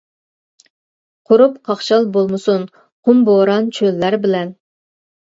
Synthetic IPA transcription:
qʰʊɾupqʰɑχʃɑlˠbolˠmɨsun | qʰʊmboɾɑnt͡ʃʰølːæɾbɪlɛn

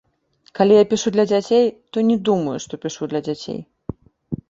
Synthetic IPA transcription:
kalʲijapʲiʂud̪lʲɐd͡zʲat͡sʲejt̪ɔnʲɛd̪umɐjuʂt̪ɔpʲiʂud̪lʲɐd͡zʲat͡sʲḛj

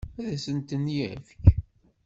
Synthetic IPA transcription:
æðæsənt̪ənjæ̰fk

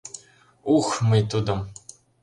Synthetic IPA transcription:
uxmɘjt̪ud̪ɤ̆m

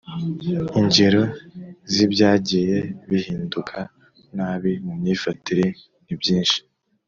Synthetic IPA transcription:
iɲɟeɾo̞zibɟaːɟije̞βihiːndukʰa | naːβimumɲiːfatiɾi | nibjiːnʃi̥

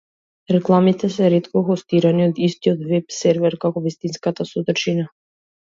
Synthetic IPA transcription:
ɾɛklˠamit̪ɛs̬ɛɾɛt̪kɔxɔst̪iɾaniɔd̪ist̪iɔt̪vɛpsɛɾvɛɾkakɔvist̪inskat̪asɔd̪rt͡ʃina

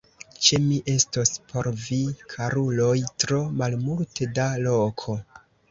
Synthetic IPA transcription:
t͡ʃemiʔe̞stospʰo̞ɾvikʰaɾulo̞jtɾo̞malmultedalo̞kʰo̞

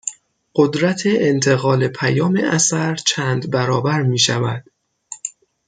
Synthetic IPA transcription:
ɢ̥od̪ɾæt̪ʰe̞ʔent̪ʰe̞ɣɒːle̞pʰæjɒːmḛʔæsæɾt͡ʃʰæːnd̪bæɾɒːbæɾmiːʃævæd̪̥

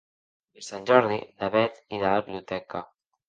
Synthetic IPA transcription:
esanʲʒɔɾðiðaβɛt̪iðaaβljut̪ɛka

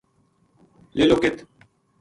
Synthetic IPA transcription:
leloket̪

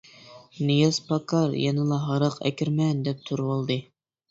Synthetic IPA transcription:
nijɑspʰɑkʰɑɾjɑnɨlˠɑɦɑɾəqɛ̰kʲiɾmɛnd̪ɛp̚t̪ʰuɾwolˠd̪ɨ

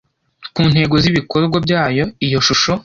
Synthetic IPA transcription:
kuːn̥he̞ːɡo̞ziβiko̞ɾɡwabjaːjo̞ijo̞ʃuʃo̞

